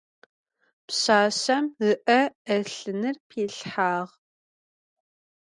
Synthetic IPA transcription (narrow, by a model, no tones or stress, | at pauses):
pɕaːɕɐmɣɨʔɐɐɬɨnɨrpʰeːɬħaːʁ